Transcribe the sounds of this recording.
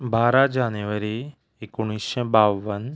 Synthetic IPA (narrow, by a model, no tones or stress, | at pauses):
baːɾad͡ʒaːnjuʋəɾi | ɪkuɽ̃iʃẽbaːʋən